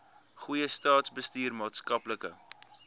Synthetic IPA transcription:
χujəstɑːtsbəstiːrmɑːtskɐpləkə̰

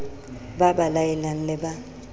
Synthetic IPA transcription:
babalaɛlaŋ̩lɪba

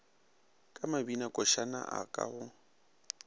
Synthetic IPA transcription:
kʼamabinakʼɔʃana̰ʔakʼa̰ɣʊ

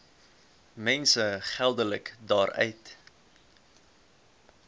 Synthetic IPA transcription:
mɛnsəχælˠdələkdɑːrœ̰ɥt

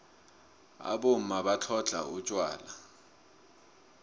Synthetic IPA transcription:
a̰ɓomaɓat͡ɬʰɔɮʱa̰ut͡ʃʼwa̰ːla

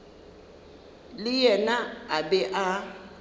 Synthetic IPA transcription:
lɪjɛnaabɛʔa

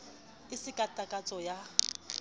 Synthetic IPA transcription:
ɪsɪkʼatʼakʼat͡sʼɔja

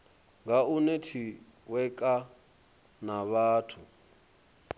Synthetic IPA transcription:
ŋɡaunetʰi | wɛkʼa | naβaːtʰu

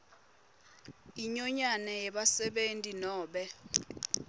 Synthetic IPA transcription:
iɲɔɲanɛjɛɓasɛɓentʼinɔːɓɛ

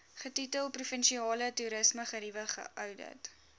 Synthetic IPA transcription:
χətitəlˠprufənʃiɑːlətuɾəsməχəɾivəχə̰ʔœwdə̰t

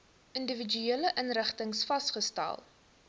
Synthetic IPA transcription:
əndəvid͡ʒyeːləʔənrəχtəŋsfɐstχəstæ̰lˠ

